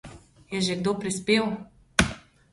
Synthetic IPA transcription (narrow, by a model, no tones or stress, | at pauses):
jɛʒeɡd̪oːpɾispeːw